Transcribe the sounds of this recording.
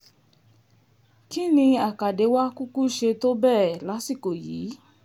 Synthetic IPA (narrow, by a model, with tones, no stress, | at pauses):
ki˦nĩ˧a˨ka˨de˨˧˦wa˦ku˦ku˦ʃe˧to˦bɛː˦˨la˨˦si˦˨ko˨jiː˨˦